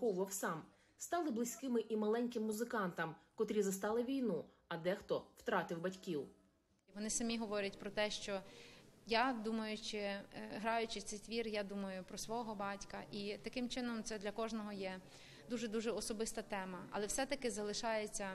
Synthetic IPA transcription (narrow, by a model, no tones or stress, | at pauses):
ɔʋʊʋɐwsɑm | st̪ɑlˠɪblˠɪsʲkɪmɪʔimɐlˠɛnʲkɪmːuzɪkɑnt̪ɐmkɔt̪ɾʲizɐst̪ɑlˠɪʋʲijnu | ɐd̪ɛxt̪ɔwt̪ɾɑt̪ɪwbɐtʲkʲiw | ʋɔnɪsɐmʲiɦɔʋɔɾʲɐtʲpɾɔt̪ɛʃt͡ʃɔ | jad̪umɐjʊt͡ʃɪɦɾɑjʊt͡ʃɪt̪ɛjt̪ʋʲirjad̪umɐjʊpɾɔsʋɔɦɔbɑtʲkɐʔit̪ɐkɪmt͡ʃɪnɔmt̪sɛd̪lʲɐkɔʒnɔɦɔjɛ | d̪uʒɛd̪uʒɛɔsɔbɪst̪ɐt̪ɛmɐɐ̰lˠɛwsɛt̪ɐkɪzɐlˠɪʃɑjet͡sʲːɐ